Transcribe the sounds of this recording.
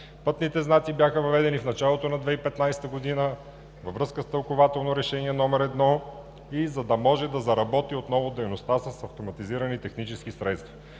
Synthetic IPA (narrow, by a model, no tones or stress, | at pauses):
pɤt̪nit̪ɛznat̪sibjaxəvɐvɛd̪ɛnifnɐt͡ʃalˠot̪onɐd̪vɛipɛt̪najsɛ̥t̪əɡod̪inə | vɐvɾɤskəst̪ɐlˠkovat̪ɛlˠnoɾɛʃɛniɛnɔmɛɾɛd̪nɔ | izɐd̪ɐmɔʒɛd̪ɐzɐɾɐbɔt̪iot̪nɔvod̪ɛjnost̪asəsɐft̪omɐt̪iziɾɐnit̪ɛxnit͡ʃɛskisɾɛt̪st̪vɐ